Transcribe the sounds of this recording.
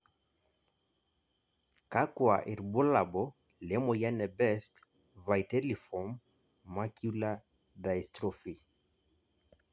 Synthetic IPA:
ka˦kwa̰˨ʔi˨ɾbo˦la˨bɔ˨˦ | lɛ˨˦mo˨ja˦nɛ˨bɛ˦st | va˨jtɛ˦li˨fɔ˨m | ma˦kju˦la˦ | da˨i˨stɾɔ˨fi˨

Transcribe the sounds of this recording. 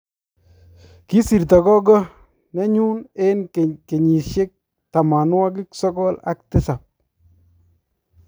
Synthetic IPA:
ki˦si˨rt̪a˨kɔ˦ɡɔ˦ | nɛ˦ɲu˦ne˦nkke˨ɲi˨ʃɪ˦k̚ | ta˨ma˨n˦wa˦k̬ɪ˦ksɔ˦kɔ˦la̰˦k̚tɪ˦sa˨p̚

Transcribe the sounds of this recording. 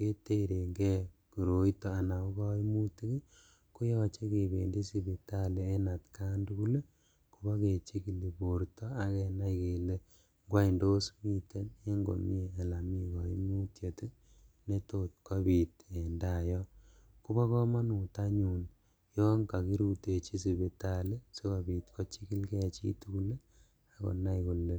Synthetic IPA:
ke˦te˦ɾe˨ŋɡɛ˦ku˨ɾo˨i˦tɔ˦a˨na˨ku˦kɔ˦i˦mu˦ti˦ki˦ | ku˦jɔ˦t͡ʃe˦ke˨be˨ndi˦si˦bi˨ta˦le˦e˦na˨tka˦ndu˦ku˦le˦ | ku˨bɔ˦ke˨t͡ʃe˦ki˨li˨bo˨ɾtɔ˦a˨kɛ˨na˦ike˨le˦ | ŋɡwa˦i˨ndo˦smi˦te˦ne˦ŋɡo̰˨mi˦eː˨la˨mi˦kɔ˨i˦mu˦tje˨tu˦ | ne˦to˦t̚kɔ˦bi˨te˨nda˨jɔ˦ | ku˦bɔ˦kɔ˦ma˦nu˨ta˦ɲu˨n | jɔ˦ŋka˨ki˦ɾu˦te˨t͡ʃi˦si˨be˨ta˨le˦se˦ka˨bi˨tkɔ˦t͡ʃi˦ki˦lkɛ˨t͡ʃḭ˦tu˦ku˦le˦ | a˨ko̰˨na˦jku˨le˦

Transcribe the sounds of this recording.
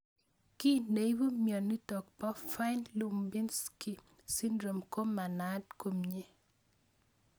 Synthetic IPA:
ki˦ne˨i˦bo˦mjɔ˨nːi˦tɔ˨k̚pɔ˦fa˦ɪ˦nlu˨mbi˦nski˨ | si˦ndɾo˨mko˦ma˨na˨˦d̚ko˨mɲe˦

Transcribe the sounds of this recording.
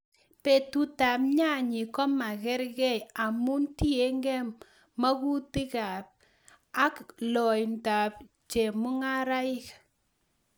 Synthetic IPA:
pe˨tu˨ta˨p̚ɲa˦˨ɲi˨kɔ˦ma˨kɛ˦ɾkɛ˦ja˨mu˦nti˦e˦ŋɡɛ˦m | ma˦ku˦ti˦ka˨p̚ | a˦klɔ˨jnta˨p̚ | t͡ʃe˨mu˦ŋa˦ɾa˦ɪ˦k

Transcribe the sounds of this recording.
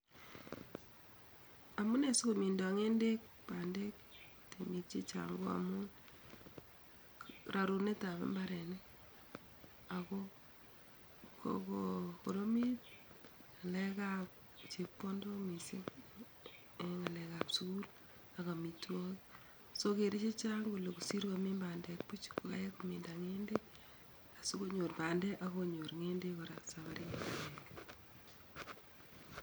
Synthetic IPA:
amu˦ne˨so˦komi˨ndɔ˨ŋe˦nde˦k̚ | pa˨nde˦k̚ | te˨mi˨t̚t͡ʃi˦t͡ʃa̰ŋɡo˦a̰mun | ɾʔa˨ɾu˨ne˦ta˨βḛ˦mba˦ɾɛ˨nɛ | a˨ko | ko̰koko˨ɾo˦mi˦t̚ŋa˨lɛ˦kap̚ | t͡ʃepːo˦ndo˦misek | eŋalɛkaːpsuɡul | aɣa˨mitwo˦k | soke˨ɾe˦t͡ʃe˦t͡ʃaŋɡulekusi˦ɾkame˦mbandɛk̚pu˦t͡ʃkoa̰˦je˦komindaŋende | a˨su˦ko˦ɲo˨ɾba˨ndɛ˦ʔaɣoɲo˨ɾŋe˦ndekoɾaksaβaɾi˦ŋaaak

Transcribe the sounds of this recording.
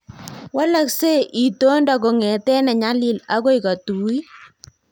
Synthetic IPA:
wa˦la˦kse˦ʔi˨to˦ndɔ˨ko˨ŋɛ˨tɛ˦nɛ˨ɲa˦li˦˨la˦ɣo˦i˨ka˨tu˨˦i˦

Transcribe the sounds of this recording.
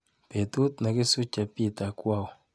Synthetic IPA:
pe˨t̪u˦t̪na˨kɪ˦su˦t͡ʃa˨pi˦t̪a˨kwa˦˨w

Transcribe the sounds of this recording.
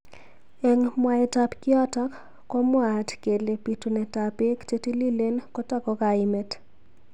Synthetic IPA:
e˨ŋmwa˨ɛta˨pkɪ˦a˦ta˦kː | ɔ˦mwatke˨le˨pi˨tu˨nɛ˨ta˨pe˦kte˦ti˦li˦le˦nkɔ˦ta˦kɔ˦kaɪmɛ˨t

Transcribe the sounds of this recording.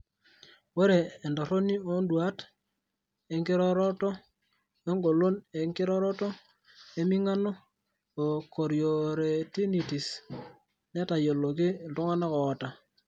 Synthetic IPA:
wɔ˦ɾeː˨ndo˨ɾo˦ni˦o˦ndwa˦t | e˨ŋɡɪ˦ɾɔ˦ɾɔ˦tɔ˦ | e˦ŋɡo˨lo˦ne˨ŋkɪ˦ɾɔ˦ɾɔ˦tɔ˦ | e˦mi˦ŋa˦nɔː˦˨ | ko˨ɾjo˨ɾe˨ti˦ni˨ti˨s | ne˦ta˨jo˨lo˨kɪ˦˨ltɔ˦ŋa˦na˦kɔ˨ta˨

